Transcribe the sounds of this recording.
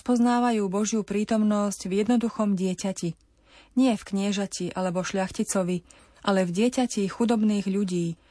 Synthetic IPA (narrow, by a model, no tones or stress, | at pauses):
spɔznaːʋajuːbɔʒɪupɾiːt̪ɔmnɔsɟvjɛd̪nɔd̪uxɔmɟɪɛcaci | ɲɪɛfkɲɪɛʒaciʔalɛbɔʃʎaxcit͡sɔʋi | ʔalɛvɟɪɛcacixud̪ɔbniːɣʎuɟiː